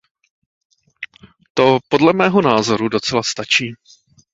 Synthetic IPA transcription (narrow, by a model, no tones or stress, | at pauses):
t̪o̞po̞dlɛmɛːɦonaːzo̞ɾudo̞t͡sɛlast̪at͡ʃiː